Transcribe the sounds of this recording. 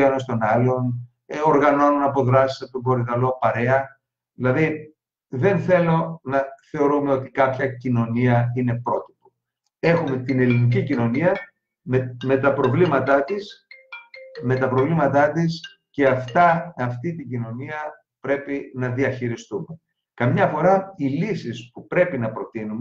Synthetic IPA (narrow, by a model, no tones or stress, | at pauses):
enost̪o̞nɐlo̞n | oɾɣɐno̞nunɐpo̞ðɾɐsi̥sɐt̪obo̞ɾit̪ɐlo̞pɐɾe̞ɐ | ðilɐði | ðe̞nθe̞lo̞nɐθe̞o̞ɾume̞o̞t̪i̥kɐpçɐcino̞niɐine̞pɾo̞t̪i̥po | e̞xume̞t̪ine̞linicicino̞niɐ | meme̞t̪ɐpɾo̞vlimɐt̪ɐt̪is | me̞t̪ɐpɾo̞vlimɐt̪ɐt̪is | ce̞ɐft̪ɐːft̪it̪iɟino̞niɐ | pɾe̞pinɐðiɐçiɾist̪ume̞ | kɐmɲɐfo̞ɾɐilisispupɾe̞pinɐpɾo̞t̪inum